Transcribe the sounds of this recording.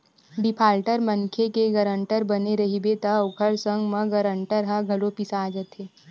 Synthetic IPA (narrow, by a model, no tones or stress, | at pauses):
ɖɪpʰaːlʈəɾmɐ̃nkʰekeɡɐɾə̃ɳʈəɾbɐneɾɐɦibet̪ɐʊkʰəɾsə̃ŋɡmɐ̃ɡɐɾə̃ɳʈəɾɦãɡʱɐlopisaːd͡ʒət̪ʰeː